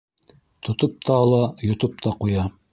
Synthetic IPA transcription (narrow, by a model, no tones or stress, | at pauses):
t̪ʰŏt̪op̚t̪ɑːlˠɑjŏt̪op̚t̪ɑqujɑ